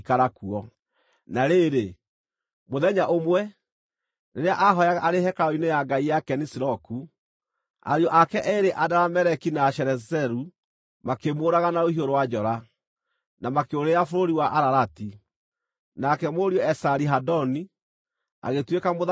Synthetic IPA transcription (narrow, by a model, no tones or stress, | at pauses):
kaɾakuɔ | naɾeɾe | moðɛɲaʔomwɛ | neɾeaʔaɦɔjaɣaʔaɾehɛkaɾɔinejaɡaijakɛnisiɾɔku | a̰ɾjɔʔakɛʔɛeɾeʔadaɾamɛɾɛkinaʃɛɾɛzɛɾu | makemoːɾaɣanaohioɾowad͡ʒɔɾa | namakeoɾeafoɾoɾiwaʔaɾaɾati | nakɛmoɾiɔɛsaɾiɦadɔni | a̰ɣetwekamo